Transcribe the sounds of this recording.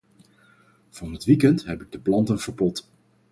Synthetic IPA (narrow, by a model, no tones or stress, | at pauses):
v̥ɑnɦətʋikɛntɦɛpɪɡ̚dəplɑntənvəɹbɔt